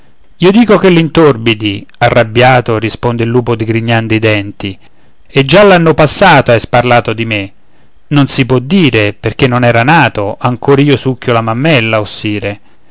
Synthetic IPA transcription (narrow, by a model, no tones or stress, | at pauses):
iːod̪iːkokelːint̪orbid̪iarːabːjaːt̪orispond̪eilːuːpod̪iɡɾiɲːand̪oid̪ɛnt̪i | ed͡ʒːalːanːopasːaːt̪oajsparlaːt̪od̪ime | nonsipwɔd̪ːiːɾeperk̟enːonɛːɾanaːt̪oʔaŋkoːɾaiːosukːolamamːɛlːaosːiːɾe